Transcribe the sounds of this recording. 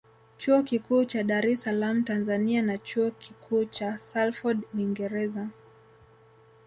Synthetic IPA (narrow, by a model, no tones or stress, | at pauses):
t͡ʃuɔkikuːt͡ʃaɗaɾɛsalam̩tanzanianat͡ʃuɔkikʰuːt͡ʃasalfɔdniŋɡɛɾɛza